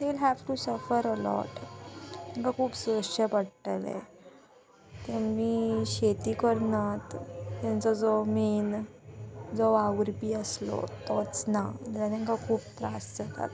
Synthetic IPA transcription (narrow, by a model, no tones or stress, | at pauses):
d̪elɦɛʋʈusəfəɾəlɔ̰ʈ | t̪ãŋkakʰuːpsəʂəpəɽʈəlɛ̰̃ | t̪emːiːɕet̪iːkəɾnat̪ːjãnt͡sɔd͡zɔmen | d͡zɔaʋɾpiːəslɔ̰t̪ɔt͡snad̪ɛlat̪ãŋkakʰuːpt̪ɾasd͡zət̪ʰa̰t̪